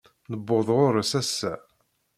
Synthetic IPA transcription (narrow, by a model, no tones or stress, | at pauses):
nəbːoðˤʁʊɾsæsːæ